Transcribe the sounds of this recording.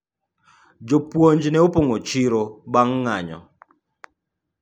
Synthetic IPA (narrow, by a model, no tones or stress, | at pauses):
d͡ʒopwoɲd͡ʒnɛopoŋot͡ʃiɾobaŋːaɲɔ̰